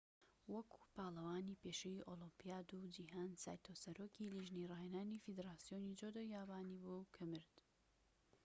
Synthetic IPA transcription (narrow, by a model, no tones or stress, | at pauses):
wɐkʰu̥paːlˠɐwaːniːpeːʃejiʔolimpijaːd̪ud͡ʒiɦaːnsa̰ːjt̪ʰosɐɾoːkiliʒnirɑːjenaːnifid̪ɾaːsijoːnid͡ʒod̪ojaːbaːnibukʰɨmɨɾd̪